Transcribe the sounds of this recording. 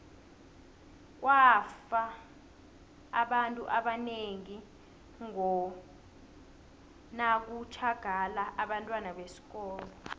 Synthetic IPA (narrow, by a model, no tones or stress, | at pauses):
k̬wafa | ɓantʼṵʔaɓaneŋi | ŋɔ | nak̬ut͡ʃʰaɡ̥ʱalaʔaɓantʼwanaɓesi̥k̬ɔːlɔ